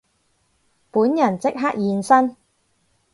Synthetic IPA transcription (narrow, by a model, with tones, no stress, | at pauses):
puː˨˥njɐ˨˩nt͡sɪ˥k̚ɦaː˥k̚jiː˨˧nsɐ˥n